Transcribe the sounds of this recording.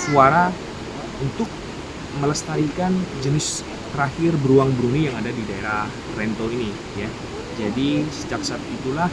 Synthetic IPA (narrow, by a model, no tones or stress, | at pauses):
suaɾa | unt̪ʊk̚ | mələst̪aɾikand͡ʒənɪs | t̪əɾahɪrbəɾuaŋbɾunijaŋadadidaeɾah | rɛnt̪oini | ja | d͡ʒadisəd͡ʒak̚sat̪it̪ulah